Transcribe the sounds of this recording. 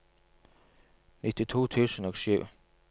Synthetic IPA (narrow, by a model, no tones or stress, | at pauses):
nʔɪt̪ʰit̪ʰo̰ːt̪ʰʉːsən̩ɔɡsʉ̰ː